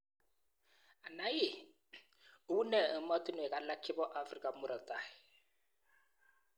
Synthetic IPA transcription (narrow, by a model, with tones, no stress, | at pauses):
a˨na˨˦jɪ˦˨˦ | u˦nɛ˨˦ma˦tʼi˦nɔ˨ɛ˨kʼa˨la˦kʰɪ˦bɔ˦ʔa˨fri˨kʼa˨mʊ˦ɾɔ˨tʼaː˨ɪ˨